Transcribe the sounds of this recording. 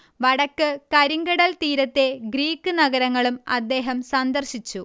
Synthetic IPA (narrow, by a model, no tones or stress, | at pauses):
ʋɐɽɐkːɨkɐɾiŋɡɐɽɐlt̪iːɾɐt̪ːe̞ɡɾiːkːɨnɐɣɐɾɐŋːɐɭumɐd̪ːe̞ːɦɐmsɐnd̪ɐrɕit͡ɕːu